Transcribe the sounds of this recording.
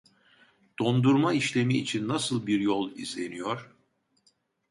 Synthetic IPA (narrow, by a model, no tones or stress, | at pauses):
d̪̥o̞nd̪uɾmaiʃlʲe̞miːt͡ʃʰinːasɯlˠbiɾjo̞lˠḭzlʲe̞nijoɾ̥